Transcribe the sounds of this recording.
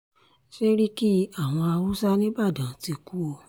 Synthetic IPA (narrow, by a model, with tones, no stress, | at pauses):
ʃe˦ɾi˦ki˦a˦˨w̃ɔ̃˧a˧wu˦sa˦nĩ˦ba˦˨dã˨˦ti˧ku˦o˧